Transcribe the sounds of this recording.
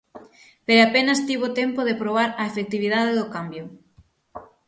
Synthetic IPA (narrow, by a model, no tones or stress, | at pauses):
peɾapenɐst̪iβot̪empoðepɾoβ̞aɾɐefek̚t̪iβiðaðeðʊkambjʊ